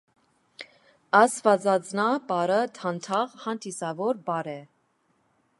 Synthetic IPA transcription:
ɑsvɑd͡zɑt͡snɑbɑɾət̪ʰɑnt̪ʰɑʁhɑnd̪isɑvɔɾbɑɾɛ

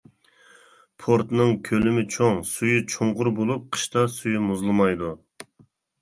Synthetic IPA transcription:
pʰoɾt̪nɨŋkʲʰølymɪt͡ʃʰoŋsujyt͡ʃʰoɴʁʊɾbolˠup̚qʰə̥ʃt̪ɑsujymuzlˠɨmɑjd̪u

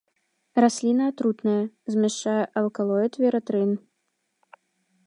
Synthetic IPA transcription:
rasʲlʲinɐːt̪ɾut̪nɐjɐzʲmʲɛʂt͡ʂajɛʔɐlˠkalˠɔjɛt̪vʲɛɾɐt̪ɾɨn

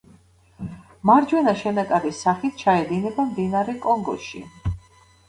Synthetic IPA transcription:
maɾd͡ʒwɛnaʃɛnakʼaɾisaχit̪̚ʰt͡ʃʰaɛd̪inɛbamd̪inaɾɛkʼɔŋɡɔ̰ʃḭ

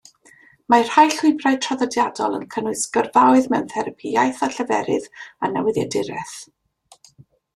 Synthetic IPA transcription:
mar̥hajɬʊɨbraɨtʰrɔðədjadɔlˠə̰nkʰənʊɨsɡ̥ərvawɨðmɛnθɛɾəpʰijajθaɬəvɛɾɪðanɛwɪðjɛdɪɾɛθ

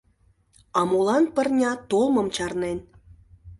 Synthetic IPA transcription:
ɑmulˠɑnpə̆rnʲɑt̪olmɤ̆mt͡ɕɑrnen

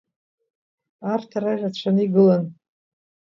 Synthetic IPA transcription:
artʰaɾajrat͡ɕʷʰanɨiɡɨlan

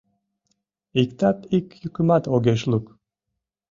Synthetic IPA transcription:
ikt̪apikʲjukʲumat̪oɡʲeʃlˠuk

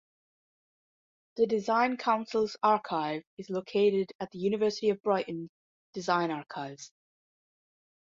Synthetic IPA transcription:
ðədɪzãɪ̃nkʰãʊ̃nsəlˠz̥aɹkʰaɪvɪzlˠokʰeʔɪdəʔðəjʉñɪvɜˑ˞sɪ̥tiəvbɹaɪʔn̩ | d̥ɪzãɪ̃ñaɹkʰaɪvz̥

